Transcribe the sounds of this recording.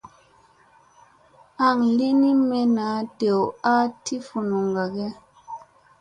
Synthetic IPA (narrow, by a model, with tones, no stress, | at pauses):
a˨ŋli˦ni˦mɛ˨na˨˦de˨wa˦ti˦fu˨nu˨ŋɡa˨ɡɛ˦